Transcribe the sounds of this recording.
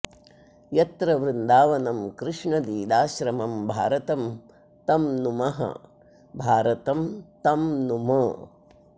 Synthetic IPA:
jɐt̪ɾɐʋɾɪnd̪aːʋɐnɐmkɾɪʂɳɐd̪iːd̪aːʃɾɐmɐmbʱa̰ːɾɐt̪ɐm | t̪ɐmnumɐɦɐ̰ | bʱaːɾɐt̪ɐmt̪ɐmnumɐ

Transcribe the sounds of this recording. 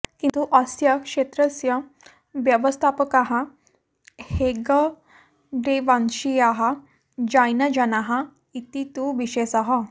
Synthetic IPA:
kĩnt̪uʔɐsjəkʂet̪ɾəsjə | ʋjəʋəst̪ʰapəkaɦã | heɡə | ɖeʋanɕijaɦa | d͡ʑajnəd͡ʑanaɦa | it̪it̪uʋiɕesaɦa

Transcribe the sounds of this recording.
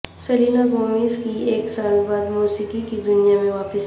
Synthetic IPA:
sɐliːnaɡoːmiːzkieːksaːlbaːd̪muːsiːkikid̪ʊnijamẽʋaːpəs

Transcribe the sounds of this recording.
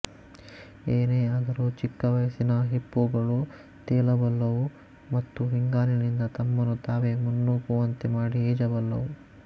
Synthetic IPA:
eːneːɐd̪ɐɾut͡ʃikːɐʋɐjɐsinɐɦipːuɡɐɭu | t̪eːlɐbɐlːɐʋu | mɐt̪ːuɦiŋɡaːlinind̪ɐt̪ɐmːɐnːut̪aːʋe̞munːuːkuʋɐnt̪emaːɽieːd͡ʒɐbɐlːɐ̰ʋu

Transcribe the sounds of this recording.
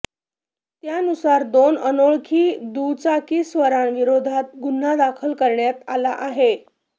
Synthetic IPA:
t̪janusaɾd̪onənoɭkʰiːd̪ut͡sakiːsʋəɾanʋiɾod̪ʱat̪̚ɡunːad̪akʰəlkəɾɳjat̪alaʔaɦe

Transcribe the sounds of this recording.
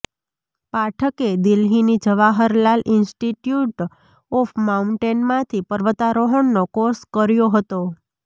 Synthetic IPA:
paʈʰəked̪ɪlɦinid͡ʒəʋaɦəɾlalʔɪnsʈiʈjuʈ | ɔfmaũɳʈenmãt̪ʰipəɾʋət̪aɾoɦəɳnokoskəɾjoɦət̪o

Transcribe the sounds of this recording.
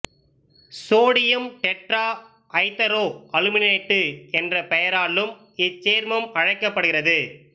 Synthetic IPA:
soːɽɪjɐmʈɛʈraː | ʔɐɪt̪ːɐɾoːkɐlɯmɪneːʈːɯɛndrɐpɛjɐɾaːlːɯm | ɪt͡ʃːeːɾmɐmɐɻɐɪkːɐpːɐɽɯɣɪrɐðɯ

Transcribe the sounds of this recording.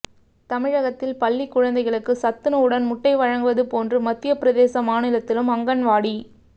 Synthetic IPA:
t̪ɐmɪɻɐɣɐt̪ːɪlpɐlːikːʊɻɐnd̪ɐɪɣɐɭɯkːɯsɐt̪ːɯnɐɯɽɐnmʊʈːɐɪʋɐɻɐŋɡɯʋɐðɯpoːndrɯmɐt̪ːɪjɐpɪɾɐðeːsɐmaːnɯlɐt̪ːɪlɯmɐŋɡɐnʋaːɽi

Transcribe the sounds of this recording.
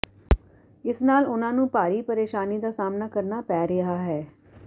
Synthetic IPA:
ɪsnaːlʊnãːnũːpaːɾiːpəɾeːʃaːniːd̪aːsaːmnaːkəɾnaːpɛːɾɪɦaːɦɛː

